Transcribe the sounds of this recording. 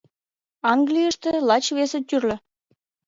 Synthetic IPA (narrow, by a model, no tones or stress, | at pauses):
ɑŋɡlʲijəʃt̪ĕlˠɑt͡ɕβesĕt̪yrlʲɘ̆